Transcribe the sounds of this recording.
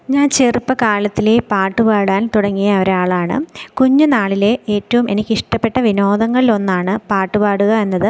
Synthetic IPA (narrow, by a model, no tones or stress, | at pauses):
ɲaːnt͡ɕerupːɐkaːlɐt̪ːilepaːʈːupaːɽaːnt̪uɽɐŋːijɐʋɐɾaːɭaːɳɨ̰kuɲːunaːɭile̞eːtːɐʋume̞nikʲːiʂʈɐpːe̞ʈːɐʋino̞ːðɐŋːɐɭilo̞nːaːɳɨpaːʈːupaːɽuɣɐe̞nːɐðɨ